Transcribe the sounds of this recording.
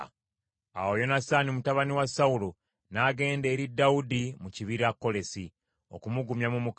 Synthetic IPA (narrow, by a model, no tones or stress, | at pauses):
a̰wo̞jo̞nasanimutaβaniwasaulo | naːɡe̞ːnde̞ːɾidːaudimuciβiɾakːo̞le̞si | o̞̰kumuɡumjamumuk